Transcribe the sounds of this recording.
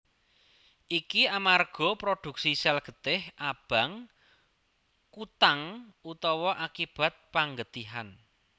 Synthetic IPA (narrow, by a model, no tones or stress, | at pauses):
ʔikiamarɡ̥ɔ̤pɾoɖ̥ṳk̚sisɛlɡ̥ə̤t̪ɪhʔab̥a̤ŋ | kut̪aŋut̪ɔwɔʔakib̥a̤t̪̚paŋɡət̪iɦan